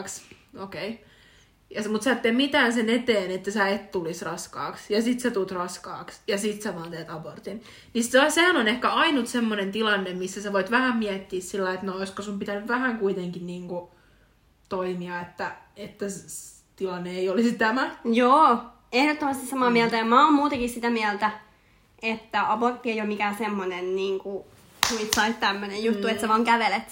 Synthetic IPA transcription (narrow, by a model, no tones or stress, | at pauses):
ks | okei | jɑsmut̪sæːt̪ːeːmit̪æːnsenet̪eːnet̪ːæsæet̪t̪ulisrɑskɑ̰ːksjɑsit̪set̪ut̪rɑskɑ̰ːksjɑsit̪seʋɑːnt̪eːt̪ɑbort̪in | nissehænonehkæɑinut̪semːonent̪ilɑnːemmisːæseʋoit̪ʋæhæmmiɛt̪ːiːssilːæiet̪nooiskosumpit̪ænyʋʋæhæŋkuit̪eŋkinniːŋku | t̪oimiɑet̪ːæ | et̪ːæs | t̪ilɑnːeeiolisit̪æmæjoː | ehɾot̪ːomɑst̪issɑmɑːmiælt̪æjɑmɑoːmmuːt̪ekissit̪æmiælt̪æ | et̪ːæɑbort̪ːieijomikæsemːonenniːŋku | tuit̪sɑit̪t̪æmːønejut̪ːuet̪sæʋɑːŋkæʋelet̪